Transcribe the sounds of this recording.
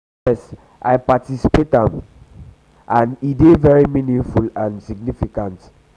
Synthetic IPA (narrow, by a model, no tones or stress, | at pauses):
ɛs | ʔajpatisipetãm | ʔãnidevɛɹiminĩŋfulãnsiɡ̚nifikãnt